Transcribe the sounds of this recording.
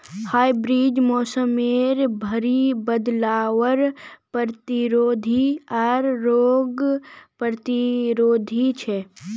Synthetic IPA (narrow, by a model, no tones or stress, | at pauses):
haːibɾiːd͡ʒmoːsəmeːɾbʱəɾibəd̪laːʋəɾpəɾt̪iɾoːd̪ʱiɐɾːoːɡpəɾt̪iɾoːd̪ʱit͡ʃʰe